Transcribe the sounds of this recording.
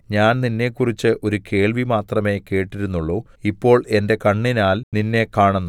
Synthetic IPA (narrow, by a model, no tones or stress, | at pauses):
ɲaːnninːe̞kːurit͡ɕːɨʔo̞ɾuke̞ːɭʋimaːt̪rɐme̞ːke̞ːʈːiɾunːuɭːo̞ː | ipːo̞ːɭe̞nde̞kɐɳːinaːlninːe̞kaːɳunːu